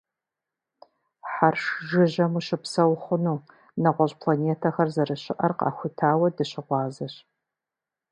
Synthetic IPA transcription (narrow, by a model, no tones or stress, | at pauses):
ħarʂʒɪʑɐmuːʃɪpsɐwχʷʊnuː | nɐʁʷɔɕʼpʰlaneːtʰɐxɐrzɐɾɨɕɪʔɐrqɑ̰ːxʷʊtʰaːwɐdɨɕɪʁʷɑːzɐɕ